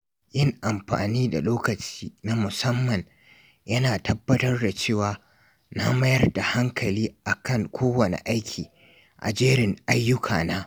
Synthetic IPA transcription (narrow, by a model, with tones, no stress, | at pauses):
jɪ˦ŋʔa˨mɸa̰ː˨niː˦da̰˨loː˦kɐ˨t͡ʃi̥ː˦na˦mʊ˨sɐ˦mːɐ˨ɲ | jɐ˦naː˨tʰɐ˦bːɐ˦tɐ˦rda˨t͡ʃeː˦˨waː˨ | na˦mɐ˦jɐ˦rda˨ha˦ŋkʰɐ˨liː˦ʔa˨kɐ˦ŋkʷoː˦wɐ˨nḛ˨ʔa˦jkʲʰiː˨ | ʔa̰˨d͡ʒeː˦ɽɪ˨ŋʔa˦jːʊ˦kʰa̰ː˨naː˦